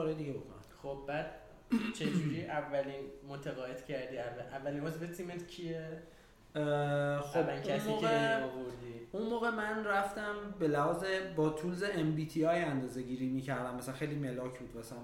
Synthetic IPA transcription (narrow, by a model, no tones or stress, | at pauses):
kɒɾɒjd̪iɟebokʰo̰næ̰xob̚bæːd̪ | t͡ʃʰed͡ʒuɾiːʔævːæliːnmot̪ʰæɣɒːed̪̥cʰæɾd̪iːæʔævːæliːnbɔsebet̪ʰimet̪cʰie | xobækʰæssmiːɣeoboɾd̪iːunmoːɣe̞mænræft̪æmbe̞læhɒːzebɒːt̪ʰuːlzeembiːt̪ʰiɒːjænd̪ɒːze̞ɟiɾiːmiːcʰæɾd̪æmːæsæænxejlime̞lɒːcʰbuːd̪mæsææn